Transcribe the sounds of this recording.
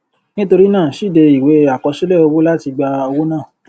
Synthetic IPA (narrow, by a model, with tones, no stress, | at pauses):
nĩ˦to˧ɾi˦nãː˦˨ʃi˦˨de˧i˨we˨˦a˨kɔ˧ʃi˦lɛ˦˨o˧wo˦la˦ti˧ɡ͡ba˧o˧wo˦nãː˦˨